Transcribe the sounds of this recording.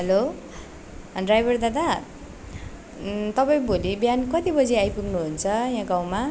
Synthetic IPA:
ɦʌlo | ɖrajbʱʌrd̪ad̪a | t̪ʌpaĩbʱolibjankʌt̪ibʌd͡ziajpuɡnuɦunt͡sʰʌjãɡaw̃ma

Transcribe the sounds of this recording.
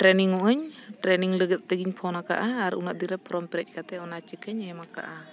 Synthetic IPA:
ʈɾɛniŋɔʔəɲʈɾɛniŋləɡət̪̚t̪əɡiɲpʰɔnaka̰ʔaːɾunaʔd̪iɾɛpɾɔmpɛɾɛc̚kat̪ɛɔnat͡ʃikəɲɛmaka̰ʔa

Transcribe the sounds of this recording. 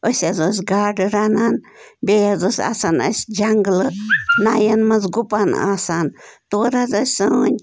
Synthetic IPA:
ʔosʲazos̬ʲɡaɖɾanan | bejazosʲa̰sana̰sʲd͡ʒaŋɡlənajanmazɡupana̰sant̪uɾazəsʲsəɲ

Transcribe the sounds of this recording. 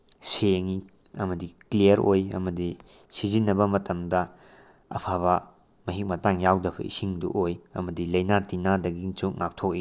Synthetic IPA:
seŋi | ɐ̰mɐdiklijɐɾojɐ̰mɐdi | sizinːɐbɐmɐtʰɐmdɐ | ɐ̰pʰaβɐ | mɐɦik̚mɐtaŋjawdɐpʰɐ̰ḭsiŋdṵʔojɐ̰mɐdilɐjnatinadɐɡint͡ʃuk̚ŋak̚tʰok̚i

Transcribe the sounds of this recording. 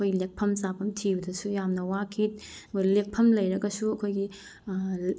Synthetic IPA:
ɐkʰojɡilek̚pʰɐmsapʰɐmtʰibɐdɐsujamnɐwakʰit̚ | kojlek̚pʰɐmlɐjɾɐɡɐsuɐkʰojɡi

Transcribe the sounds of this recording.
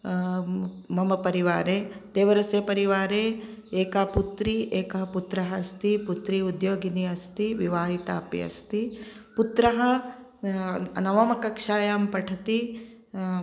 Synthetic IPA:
mɐmɐpɐɾiʋaːɾeːd̪eːʋɐɾɐseːpɐɾiʋaːɾeːeːkaːput̪ɾiʔeːkɐɦɐput̪ɾɐɦɐst̪iput̪ɾiud̪joːɡiniɐst̪iʋiʋaːɦit̪a̰ːpjɐ̰st̪iput̪ɾɐɦɐ | nɐʋɐmɐkɐkʂaːjaːmpɐʈʰɐt̪i

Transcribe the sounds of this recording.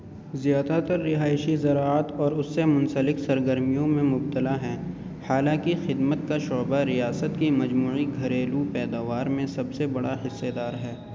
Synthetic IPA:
zjaːd̪at̪ɐɾːɪɦaːɪʃizɐɾaːət̪ɔːɾʊsːemʊ̃nsəlɪksɐɾɡəɾmijõmẽmʊb̚t̪əlaɦɛː | haːlãkixɪd̪mət̪̚kaʃɔːbaɾijaːsət̪kimɐd͡ʒmuːiɡʱɐɾeːlupɛːd̪aːʋaːɾmẽsɐbsebɐɽaɦɪsːed̪aːɾɦɛː

